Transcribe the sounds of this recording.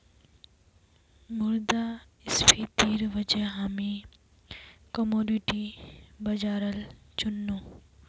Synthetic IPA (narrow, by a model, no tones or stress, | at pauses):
mʊɾd̪a | ɪspʰit̪iːɾʋəd͡ʒeɦaːmi | kɐmoːɖiʈibɐd͡ʒaːɾəl | t͡ʃʊnːuː